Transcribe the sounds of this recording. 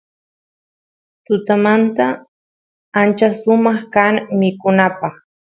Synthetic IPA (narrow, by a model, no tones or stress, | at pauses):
t̪ʊt̪amant̪a | ant͡ʃasʊmɑχkaŋmɪkʊnapɑχ